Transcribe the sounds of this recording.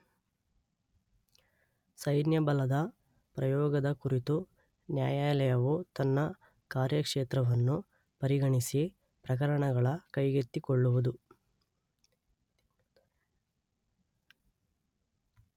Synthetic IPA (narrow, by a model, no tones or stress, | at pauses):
sɐjnjɐbɐlɐd̪ɐ | pɾɐjɔːɡɐd̪ɐkuɾit̪u | njaːjaːjlɐjɐʋut̪ɐnːɐ | kaːɾjɐkʂeːt̪ɾɐʋɐnːu | pɐɾiɡɐɳisi | pɾɐk̬ɐɾɐɳɐɡɐɭɐkɐjɡet̪ːikoɭːuʋud̪u